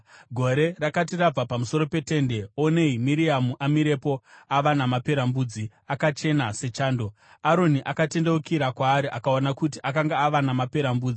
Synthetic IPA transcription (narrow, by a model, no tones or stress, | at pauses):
ɡʱo̞ɾe̞rakatirab͡vapamuso̞ɾo̞pe̞te̞ːnde̞o̞ne̞imiɾiamuʔamiɾe̞po̞aʋanamape̞ɾambuːd͡zi | akat͡ʃe̞nase̞t͡ʃaːndo̞ | aɾo̞niʔakate̞ndeukiɾakwaːɾiʔakaonakutiʔakaŋɡaːʋanamape̞ɾambuːd͡zi